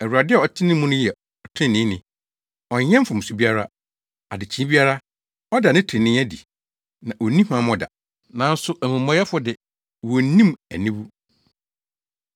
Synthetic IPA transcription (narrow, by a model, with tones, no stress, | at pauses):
ɛ˨wu˨ɾa˨dɪ˦ɛ˨ɔ˨tʰɪ˦nɪ̃˦mũ˦nʊ̃˦jɛ˨ | ɔ˨tʰɪ̃˦nɪ̃˦nɪ̰̃˨ | ɔ˨ɲɛ̃˦m˦fʊ̃˨m̩˨su˨bi˦a˦ɾa˦ | a˨dɪ˨t͡ɕʰi˨˦bi˦a˦ɾa˦ | ɔ˦da˨nɪ̃˦tʰɪ̃˨nɪ̃˦æ˦dḭ˨ | nã˨ʔɔ˨nĩ˦hã˨˦m˦ɔ˨da̰˨ | nã˨˦n̩˦sʊ˦ʔæ˨mũ˨mɔ̃˦jɛ˦fʊ˦dɪ˨ | wɔ˨˦nĩ˦mæ̰˨nĩ˦bu˦